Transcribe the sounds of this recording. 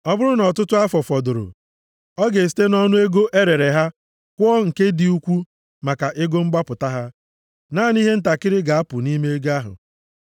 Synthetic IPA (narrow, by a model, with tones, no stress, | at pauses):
ɔ˦bʊ˦ɾʊ˦nɔ˨tʊ˦tʊ˦a˦fɔ˨fɔ˨dʊ˨ɾʊ̰˨ | ɔ˦ɡe˨s̬i̥˦te˦nɔ˦nʊ˦e˦ɡo˦ʔe˦ɾe˨ɾe˨ɦa˦ | kʷɔ˦ŋ̩˨ke˦di˨u˦kʷu˦ | ma˨ka˨ʔe˦ɡo˦ŋ͡m̩˦ɡ͡ba˦pʊ˨ta˦ɦa˦ | naː˦˨ni˦ɦe˦n̩˦ta˨kɪ˦ɾɪ˦ɡa˨a˦pʊ˨ni˦me˦ɡa˦ɦʊ̰˨